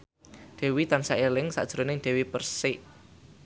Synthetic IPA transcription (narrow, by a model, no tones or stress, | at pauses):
d̪̥e̤wit̪ansaʔelɪŋsa̰d̥ʒ̥ɾonɪŋd̥ɛ̤wipərsɪʔ